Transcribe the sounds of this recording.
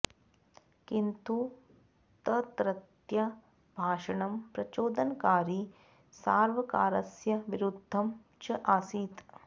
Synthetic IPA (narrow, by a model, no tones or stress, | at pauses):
kint̪u | t̪ɐt̪ɾɐt̪jɐ | bʱaːʂɐɳɐmpɾɐt͡ʃoːd̪ɐnkaːɾi | saːɾʋɐka̰ːɾɐsjɐʋiɾud̪ʱːɐm | t͡ʃɐʔaːsiːt̪